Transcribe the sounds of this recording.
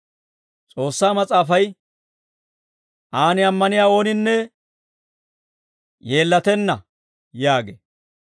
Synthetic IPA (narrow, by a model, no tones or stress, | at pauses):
t͡sʼo̞ːsːaːmɐt͡sʼaːfɐj | ʔaːnɪɐmːɐnɪjaːo̞ːnɪnːɛ | je̞ːlːɐt̪ɛnːɐ | jaːɡḛ